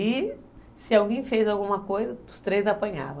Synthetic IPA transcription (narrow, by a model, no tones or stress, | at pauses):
i | sɪawɡẽj̃fejzawɡũmɐkojzɐ̥ʊst̪ɾejzapɐ̃ɲa̰vɐ̃